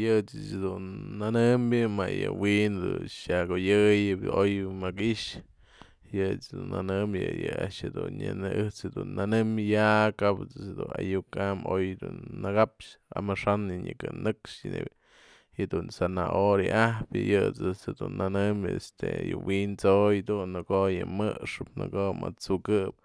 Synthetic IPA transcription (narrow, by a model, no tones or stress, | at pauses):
jɨt͡sɨt͡ʃhd̪unːanɨmbʲjɨmajɨwind̪unʃakojɨjɨojmakiʔʂ | jɨt͡sd̪unːanɨmbʲjɨjɨaʔʃhed̪unɲanʔɨht͡shed̪unːanɨmjakapɨt͡sɨhd̪una̰jukamojd̪unːɨkapʂa̰mɨʂanɨɲɨkɨnɨkʂnḛ | hed̪unsanaʔoɾɨʔahpjɨjɨt͡sɨt͡shed̪unːanɨmḛst̪ejɨ̰wint͡sojd̪unːɨkoʔjɨmɨʂɨp̚nɨkoʔmat͡sukɨp̚